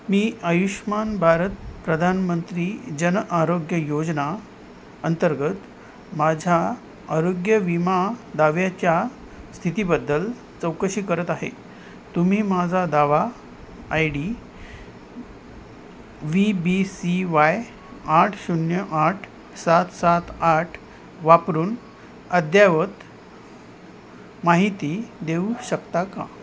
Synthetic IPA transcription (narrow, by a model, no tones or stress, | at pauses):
miːəjuɕmanbʱaɾət̪̚pɾəd̪ʱanmənt̪ɾiːd͡ʑənʔaɾoɡjəjod͡zna | ənt̪əɾɡət̪ | mad͡ʑʱa | əɾoɡjəʋimad̪aʋjat͡ɕja | st̪ʰit̪ibəd̪ːəl | t͡səwkəɕiːkəɾət̪aɦḛ | t̪um̤iːmad͡zʱad̪aʋa | ajɽi | ʋibisiʋaj | aʈʰsunjəʔaʈʰ | sat̪sat̪aʈʰ | ʋapɾuːn | əd̪jaʋət̪ | maɦit̪iːd̪euɕəkt̪aka̰